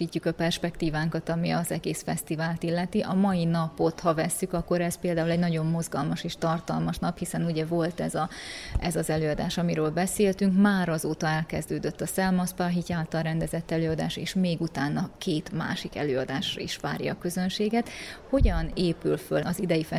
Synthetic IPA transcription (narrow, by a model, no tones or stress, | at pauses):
iːcːukɒpɛrʃpɛkt̪iːvaːŋkɒt̪ɒmiɒzɛɡeːsfɛst̪ivaːlt̪ilːɛt̪iʔɒmɒjinɒpo̞t̪hɒvɛsːykɒkːo̞ɾɛspeːld̪aːulɛɟnɒɟo̞mːo̞zɡɒlmɒʃeːʃt̪ɒrt̪ɒlmɒʃnɒphisɛnuɟɛvo̞lt̪ɛzɒɛzɒzɛløːɒd̪aːʃɒmiɾøːlbɛseːlt̪yŋkmaːɾɒzoːt̪ɒɛlkɛzd̪øːd̪ø̞t̪ːɒsɛlmɒspaɦicaːlt̪ɒlɾɛnd̪ɛzɛt̪ːɛløːɒd̪aːʃḛːʃmeːɡut̪aːnːɒkʰeːt̪ma̰ːʃikɛ̰løːɒd̪aːʃrɒ̰ḭʃʋa̰ːɾjɒ̰ːkø̞zø̞nʃeːɡɛt̪ho̞ɟɒneːpylfølɒzid̪ɛjifɛ